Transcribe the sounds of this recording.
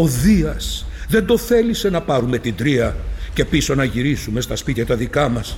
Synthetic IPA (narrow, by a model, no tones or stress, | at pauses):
o̞ðiɐsðe̞nd̪o̞θe̞lise̞nɐpɐɾume̞t̪ind̪ɾiɐce̞piso̞nɐʝiɾisume̞st̪ɐspit̪çɐt̪ɐðikɐmɐs